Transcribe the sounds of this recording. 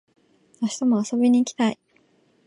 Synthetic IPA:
aɕi̥t̪omoaso̞bʲiɲ̟iːkʲi̥t̪ai

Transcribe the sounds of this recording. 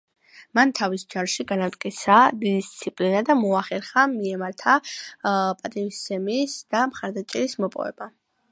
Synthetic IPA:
mant̪ʰavisd͡ʒanʃiɡanavt̪ʼkʼit̪sʰad̪id̪ist̪sʰipʼlinad̪amɔaχɛɾχamiɛmaɾt̪ʰa | pʼat̪ʼivist̪ɛmisd̪̥amχaɾd̪at͡ʃʼɛɾismɔpʼɔ̰vɛ̰ba

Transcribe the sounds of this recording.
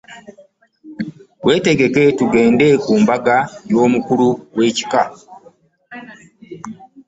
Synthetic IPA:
we̞ːte̞ɡe̞ke̞tuɡe̞ːnde̞kuːmbaɡajo̞ːmukuɾuwe̞ːci̥ka

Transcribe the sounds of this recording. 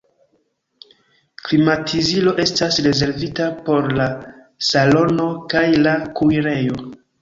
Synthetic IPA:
klimatʰizilo̞ʔe̞stasɾe̞ze̞ɾvitapo̞ɾla | salo̞no̞kajlakuiɾe̞jo̞

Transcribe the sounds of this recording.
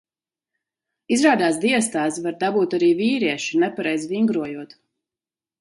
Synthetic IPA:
izɾaːd̪aːsd̪iɛst̪aːsvaɾd̪abuːt̪aɾiːviːɾiɛʃinɛpaɾɛjzviŋɡɾuɔjuɔt̪

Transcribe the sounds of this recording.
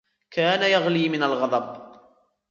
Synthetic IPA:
kaːnajaɣliːmɪnalɣɑd̪ˤɑb

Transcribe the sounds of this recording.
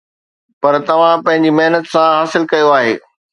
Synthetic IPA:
pɐɾt̪ɐʋ̤ãpɐ̃ɦɪ̃ɲ̆d͡ʑimɐɦnət̪sãɦaːsɪlkɐjoaːɦeː

